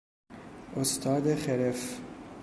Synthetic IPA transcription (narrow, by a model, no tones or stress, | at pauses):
ʔost̪ʰɒːd̪eχeɾef